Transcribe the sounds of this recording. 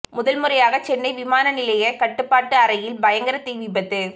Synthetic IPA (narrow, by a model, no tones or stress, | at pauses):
mʊðɐlmɯɾɐjaːɣɐt͡ʃɛnːɐɪʋɪmaːnɐnɪlɐjɐkɐʈːɯpːaːʈːɯɐɾɐjɪlbɐjɐŋɡɐɾɐt̪ːiːʋɪbɐt̪ːɯ